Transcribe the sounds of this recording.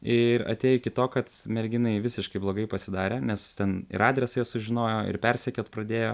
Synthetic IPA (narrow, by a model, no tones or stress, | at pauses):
ɪɾɐ̰t̪ʲeːjʊkʲɪt̪oːkɐt̪mʲɛɾʲɡʲɪnɐɪʋʲɪsʲɪʃkɐɪblˠoːɡɐɪpɐsʲɪd̪ɑːɾʲeːnʲɛst̪ʲɛnɪ̰ɾɑːd̪ʲɾʲɛsɐɪjɛsʊʒʲɪnoːjoːɪ̰ɾpʲɛɾʲsʲɛkʲoːt̪pɾɐd̪ʲeːjoː